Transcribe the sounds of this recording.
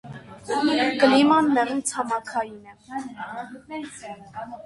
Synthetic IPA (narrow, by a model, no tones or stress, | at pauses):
kəlimɑnmɛʁumt͡sʰɑmɑkʰɑjinɛ